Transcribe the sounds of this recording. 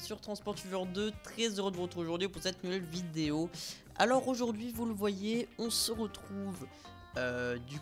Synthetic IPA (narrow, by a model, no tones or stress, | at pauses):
syʁt̪χɑ̃spɔʁt̪syvœʁd̪ət̪χɛzøʁəd̪əʁət̪uʁoʒuʁd̪ɥipuʁsɛt̪nuvɛlvid̪eo | a̰lɔʁoʒuʁd̪ɥivuləvwajeɔ̃səʁət̪χuv | ød̪y